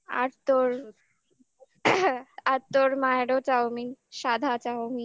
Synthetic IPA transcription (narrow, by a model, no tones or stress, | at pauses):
a̰ɾt̪oɾ | aɾt̪oɾmaaɽot͡ɕawmiʃad̪ʱat͡ɕawmi